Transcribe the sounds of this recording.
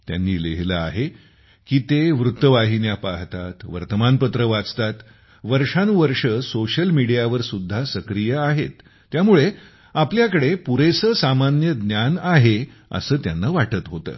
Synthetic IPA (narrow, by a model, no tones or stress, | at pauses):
t̪ja̰nːiːleɦləa̰ɦe | kiːt̪eʋɾut̪ːəʋaɦinjapaɦt̪at̪ʋə̰ɾt̪əmanpət̪ɾəʋat͡st̪at̪ | ʋəɾʂanʋəɾʂəsoɕəlmiɽijaʋəɾsud̪ʱːasəkɾijəaɦet̪ː | jamuɭe | apljakəɽepuɾesəːsamanjəɡ̪njanaɦe | ə̰səːt̪ja̰nːaʋaʈət̪ɦot̪ə̰ː